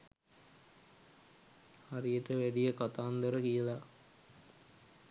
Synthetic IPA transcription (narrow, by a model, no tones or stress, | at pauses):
harijəʈəʋæɖijəkat̪aːnd̪əɾəkijəla